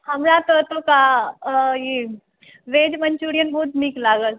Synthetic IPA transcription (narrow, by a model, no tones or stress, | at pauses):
həmlat̪ət̪oka | i | ʋed͡ʒməɲt͡ʃuɾijənbəɦut̪miklaɡəl